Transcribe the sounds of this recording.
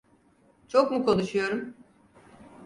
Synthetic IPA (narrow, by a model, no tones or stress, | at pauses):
t͡ʃʰokmukʰo̞nuʃujo̞ɾum